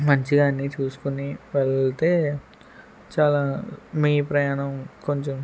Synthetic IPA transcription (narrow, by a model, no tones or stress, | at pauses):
mɐɲt͡ʃiɡaːnːit͡ʃuːsu̥kuniʋelt̪e̞ː | t͡ʃaːlaːmiːpɾɐjaːnɐmkoɲt͡ʃom